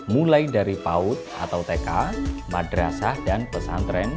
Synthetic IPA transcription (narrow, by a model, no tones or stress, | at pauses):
mulajdaɾipaʊt̪̚a̰t̪awt̪ekamadɾasahdanpəsant̪ɾɛn